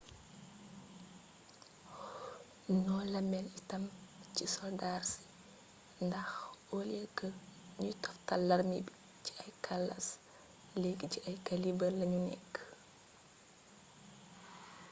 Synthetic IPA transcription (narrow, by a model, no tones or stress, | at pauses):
nɔːlɐmɛlitɐmcisɔldarsi̥ | ndɐxolɛkːəɲutɔftɐlːɐrmibi | ci̥ɐjkʰɐlːɐ̰s | leɡiciɐjkɐlibəlɐɲunɛ̰kː